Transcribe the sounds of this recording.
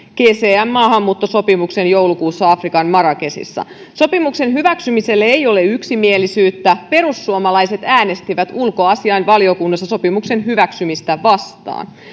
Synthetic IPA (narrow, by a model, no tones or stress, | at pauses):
keːseːæmːɑːɦɑmːuːt̪ːoso̞pimuksenjo̞wlukuːsːɑɑfrikɑnmɑɾɑkesḭsːɑ̰ | so̞pimukse̞nɦyʋæksymise̞lːeejo̞leyksimielisyːt̪ːæpe̞ɾusːuomɑlɑjse̞t̪æːne̞st̪iʋæt̪ulko̞ɑsiɑinʋɑlio̞kunːɑsːɑso̞pimukse̞nɦyʋæksymist̪æʋɑst̪ɑ̰ːn